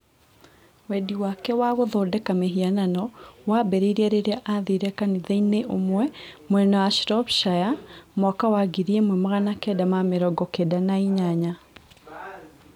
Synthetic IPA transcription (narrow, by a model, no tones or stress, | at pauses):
wɛdiwakɛwaɣoðɔdɛkameɦiananɔwabɛɾeiɾiɛɾeɾeaʔaðiɾɛkaniðɛineʔomwɛmwɛnɔwaʃɾɔpʃajamɔkawaɡiɾiɛmwɛmoɣanakɛdamameɾɔɡɔkedanaiɲaɲa